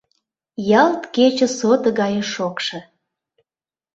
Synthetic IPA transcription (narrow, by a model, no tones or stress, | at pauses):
jɑlt̪ket͡ɕə̆sot̪əɣɑjəʃokʃɤ̆